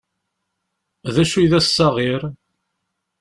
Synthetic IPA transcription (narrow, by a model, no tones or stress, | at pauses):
ðæʃujðæssːɑʁiɾ